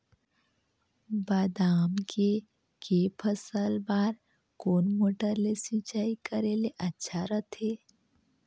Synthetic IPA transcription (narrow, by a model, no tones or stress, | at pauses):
bad̪aːmke | kepʰəsəlbaːɾ | koːnmoːʈəɾlesĩt͡ʃaːikəɾeleʔətːʃʰaɾət̪ʰeː